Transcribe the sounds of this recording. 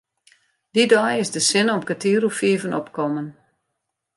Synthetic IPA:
d̥idɔjɪzdəsɪnɔmkətiːɾufiəvənʔɔpkɔmən

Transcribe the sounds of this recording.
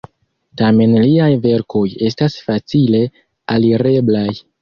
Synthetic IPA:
tame̞nliajve̞ɾkʰo̞je̞stasfat͡sile̞ | aliɾe̞blaj

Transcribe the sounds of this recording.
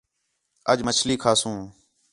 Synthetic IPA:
əʄmət͡ʃʰliːkʰaːsũː

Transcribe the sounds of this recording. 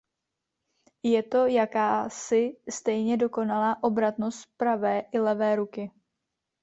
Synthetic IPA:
jɛt̪o̞jakaːsɪst̪ɛjɲɛdo̞ko̞nalaːʔo̞bɾat̪no̞st̪̚pɾavɛːʔɪlɛvɛːɾukɪ

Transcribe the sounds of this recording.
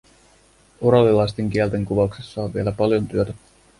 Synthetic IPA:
uɾɑlːilɑst̪e̞ŋk̟ielt̪e̞ŋkuʋɑuksesːɑːʋːielæpɑljo̞nt̪yøt̪æ

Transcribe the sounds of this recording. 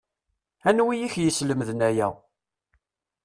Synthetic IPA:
ænwijiçjəsləməðnæjæ̰w

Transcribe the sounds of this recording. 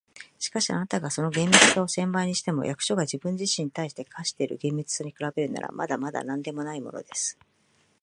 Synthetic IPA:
ɕi̥kaɕia̰nat̪aɡaso̞no̞ɡẽ̞mbɯt͡sɨ̥saosẽ̞mbaiɲ̟iɕi̥t̪e̞mo̞̰jʔakɯ̟̥ɕo̞ɡad͡ʑibɯ̟̃ɲ̟d͡ʑiɕĩɲ̟ːit̪aiɕi̥t̪e̞kʰaɕi̥t̪e̞iɾɯ̟ɡẽ̞mbɯ̟t͡sɨ̥z̥aɲ̟ikɯ̟ɾabe̞ɾɯ̟na̰ɾa̰mʔad̪amad̪a̰nãnd̪e̞mo̞naimo̞̰no̞̰d̪e̞sɨ̥

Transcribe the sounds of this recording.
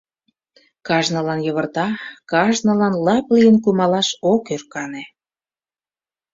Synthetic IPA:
kɑʒnə̆lɑnjəβərt̪ɑkɑʒnɤ̆lɑnlɑplijənkumɑlɑʃokørkɑne

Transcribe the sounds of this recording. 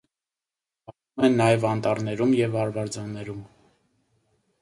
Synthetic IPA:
ɑχumɛnːɑjɛvɑnt̪ɑɾnɛɾumjɛvɑɾvɑɾd͡zɑnːɛɾum

